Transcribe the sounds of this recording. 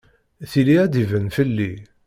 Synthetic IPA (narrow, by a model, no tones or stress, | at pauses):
θiliæd̪ivənfəlːi